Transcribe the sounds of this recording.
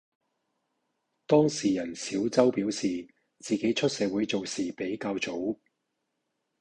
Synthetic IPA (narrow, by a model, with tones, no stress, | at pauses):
t̪ɔː˥ŋsiː˨jɐ˨˩nsiː˨˥wt͡sɐ˥wpiː˨˥wsiː˨ | t͡siː˨ke˨˥jt͡ʃʰɵ˥t̚sɛː˨˧wuː˨˥jt͡so˨wsiː˨pe˨˥jkaː˧wt͡so˨˥w